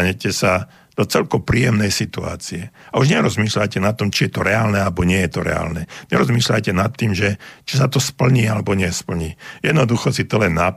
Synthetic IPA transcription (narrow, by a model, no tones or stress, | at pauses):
ɲɛcɛsa | d̪̥ɔt͡sɛlkɔpɾiːjɛmnɛjsit̪ua̰ːt͡siɛ | auʒɲɛɾɔzmiːʃlajcɛnat̪ːɔmt͡ʃijɛt̪ɔɾɛaːlnɛalɛbɔɲɪɛjɛt̪ɔɾɛ̰a̰ːlnɛɲɛɾɔzmiːʃlajcɛnat̪ːiːmʒɛt͡ʃisat̪ɔspl̩ɲiːalɛbɔɲɪɛspl̩ɲiːjɛd̪nɔd̪uxɔsit̪ɔlɛnːa